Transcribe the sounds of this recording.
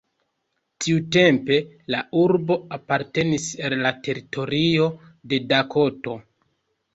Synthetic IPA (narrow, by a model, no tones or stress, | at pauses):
tʰiute̞mpe̞lauɾbo̞apaɾte̞nisalːatʰe̞ɾitʰo̞ɾio̞ | de̞dakʰo̞to̞